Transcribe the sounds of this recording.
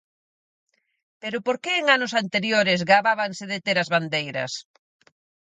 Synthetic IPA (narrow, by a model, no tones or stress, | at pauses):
peɾʊpoɾkeːŋanʊsant̪eɾjoɾɪzɣaβaβaŋsɪðet̪eɾɐzβand̪ejɾɐ̰s